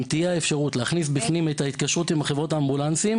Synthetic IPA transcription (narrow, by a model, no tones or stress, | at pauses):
mt̪ijaefʃaʁutleaχnis̬bifnimetait̪kaʃʁut̪imaχevʁo̞taːmbulant͡sim